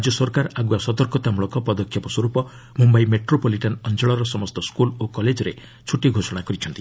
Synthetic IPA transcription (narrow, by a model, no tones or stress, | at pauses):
d͡ʒjɔsɔɾkaɾaɡuasɔt̪ɔɾkɔt̪amuɭɔŋkɔpɔd̪ɔkʰjɔpɔswɔɾupɔ | mumbajmeʈɾopoliʈanɔnd͡ʒɔɭɔɾɔsɔmɔst̪ɔskulokɔled͡ʒɔɾe | t͡ʃʰuʈiɡʱosɔɽ̃akɔɾit͡ʃʰɔnt̪i